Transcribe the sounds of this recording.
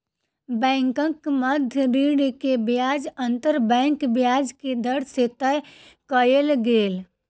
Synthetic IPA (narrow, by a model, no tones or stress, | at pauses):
bɛ̃ːŋkə̃kməd̪ʱjəɾiːɽkebjaːd͡ʒə̃nt̪əɾbɛ̃ːŋkbjaːd͡ʒked̪əɽset̪əj | kəjəlɡeːl